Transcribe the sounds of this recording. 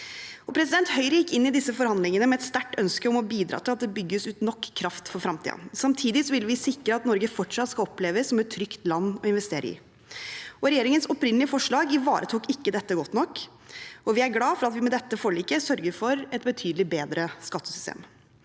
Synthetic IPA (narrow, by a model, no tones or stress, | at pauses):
ɔpʰɾɛs̬ɪd̪ɛnt̪hœʏɾəjɪkːɪnːɪd̪ɪsːəfɔɾhɑnd̪lɪŋənəmɛɛt̪st̪æʈːœnskəɔmɔbiːd̪ɾɑ̰ːt̪ʰɪlɑt̪̚d̪ɛbʏɡːəsʉːt̪nɔkʰːɾɑft̪fɔɾfɾɑmt̪ʰḭːd̪̰nsɑmt̪ʰiːd̪ɪsɔʋɪlʋɪsɪkɾəɑt̪nɔɾɡəfɔʈʂɑt̪ːskɑɔpleːʋəsːɔmɛt̪ʰːɾʏkt̪lɑnːɔɪnʋɛst̪eːɾə̰ɪ̰ | ɔɾɛjeːɾɪŋənsɔpɾɪnəlɪəfɔʂɭɑːɡɪʋɑːɾət̪ʰuːkɪkːəd̪ɛt̪ːəɡɔt̪ːnɔkː | ɔʋɪæɾɡlɑːfɔɾɑt̪ʋɪmɛd̪ɛt̪ːəfɔɭiːkəsœɾɡəɾfɔɾɛt̪̚bət̪ʰyːd̪lɪbeːd̪ɾəskɑt̪ːəsʏ̥st̪ḛːm